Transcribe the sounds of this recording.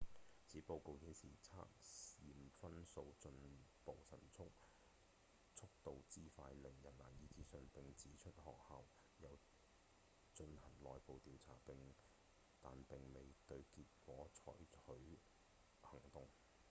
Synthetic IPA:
t͡sʰiː˨˥po˧wko˨˧whiː˨˥nsiː˨˩t͡sʰa̰ː˥k̚siː˨mfɐ˥nso˧wt͡ʃɵ˧npo˨˧wsɐ˨˩nt͡sʰʊ˥k̚ | t͡sʰʊ˥k̚t̪o˨wt͡siː˥faː˧jlɪ˨˩ŋjɐ˨˩nlaː˨˩njiː˧t͡siː˨˥sɵ˧npɪ˨ŋt͡siː˨˥t͡ʃʰɵ˥t̚hɔː˨k̚haː˧w | jɐ˨˧w | t͡ʃɵ˧nhɐ˨˩ŋlɔː˨jpo˨˧wt̪iː˨˧wt͡sʰaː˨˩pɪ˨ŋ | t̪a̰ː˨npɪ˨ŋme˨jt̪ɵ˧ɥkiː˧t̚kʷɔː˨˥t͡ʃʰɔ̰ː˨˥jɵ˨˥ɥ | hɐ˨˩ŋt̪ʊ˨ŋ

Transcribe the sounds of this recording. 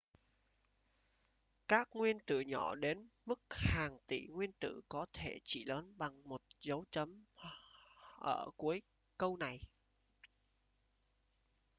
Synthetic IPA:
kaː˦˥k̚ŋwi˧ənt̪ɨ̰˧˨ɲɔ˧˩ɗe˨˦nmɨ˦˥k̚haː˨˩ŋt̪ḭ˧˩ŋwi˧ənt̪ɨ̰˧˨kɔ˨˦t̪ʰe˧˩t͡ɕḭ˧˩ləː˨˦nɓa˨˩ŋmo˨˩t̚zə˨˦wt͡ɕə˨˦m | ʔəː˧˩ku˨˦əj | kə˧wna˨˩j

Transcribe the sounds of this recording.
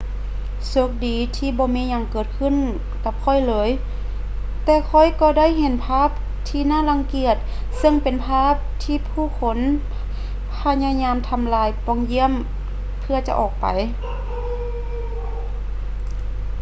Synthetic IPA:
so˧˦k̚diː˨˦t̪ʰiː˧˩bɔː˧˦miː˧˥ɲa˧˩ŋkɤː˨˩t̪̚kʰɯ˧˥˨n | ka˧p̚kʰɔ˧˩˨jlɤː˨˧˦j | t̪ɛː˧kʰɔ˧˩˨jkɔː˧˩da˥˨jɦe˧˦npʰaː˧˥˨p̚ | t̪ʰiː˧naː˧˥˨la˧˥ŋki˧˩ət̪̚ | sɤ˧˨ŋpe˨npʰaː˧˥˨p̚t̪ʰiː˧˨pʰuː˧˩˨kʰo˧˦n | pʰa˧ɲaː˧˨ɲaː˧˥˨mt̪ʰa˧mlaː˧jpɔ˧˩ŋji˧˥əm | pʰɯ˧ɐt͡ɕa˧˦ʔɔː˨˩k̚pa̰˨j

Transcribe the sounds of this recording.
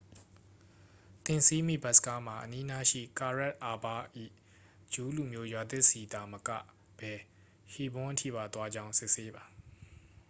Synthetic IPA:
t̪ɪ̃˨nsi˦mḭ˦˨ba˦ʔ̚sə̥ka˦m̥a˨ʔəni˦na˦ʃḭ˦˨ka˨ɹɛ˦˨t̚ʔa˨ba˦ʔḭ˦˨ | d͡ʑu˦lu˨mjo˦jwa˨d̪ɪ˦ʔsi˨d̪a˨məkä̰˦˨ | b̥ɛ˨ | hi˦˨bʊ̃˦ʔətʰḭ˦˨ba˨t̪wa˦d͡ʑã˦ʊ̃sɪ˦ʔse˦ba˨

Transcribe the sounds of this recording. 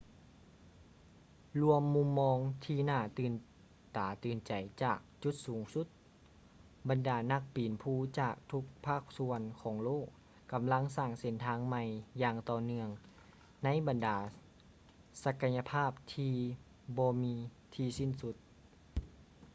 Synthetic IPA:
lu˧əmːu˧˥mːɔː˧ŋt̪ʰiː˧naː˧˩t̪ɯː˨˩n | t̪aː˨˩t̪ɯː˨nt͡ɕa˨˩jt͡ɕaː˨˩k̚t͡ɕu˧˦t̪̚suː˨˦ŋsu˧˦t̪̚ | ba˨ndaː˨˩na˧˥˩k̚piː˨˩npʰuː˧˩t͡ɕaː˨˩k̚t̪ʰu˧˥k̚pʰaː˥˩k̚su˧ənkʰɔː˨˩˦ŋloː˥˩kː | a˨˦mla˧˥˨ŋsaː˧˩ŋse˨˦nt̪ʰaː˧˥ŋma˧jjaː˧ŋt̪ɔː˧nɯ˧əŋ | na˧˥jba˨ndaː˨˩˦ | sa˧ka˧ja˧pʰaː˥˩p̚t̪ʰiː˧ | bɔː˧miː˧ | t̪ʰiː˧si˧˥˨nsu˧t̪̚

